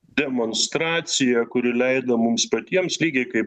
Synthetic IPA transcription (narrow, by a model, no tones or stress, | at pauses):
d̪ʲɛmonst̪ɾɑːt̪sʲɪjɛkʊɾʲɪlʲɛɪd̪ɐmʊmspɐt̪ʲiɛmslʲiːɡʲɛɪkɐɪp